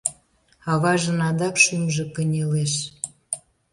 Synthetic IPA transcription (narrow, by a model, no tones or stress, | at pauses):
ɑβɑʒənɑd̪ɑkʃymʒĕkə̆nʲeleʃ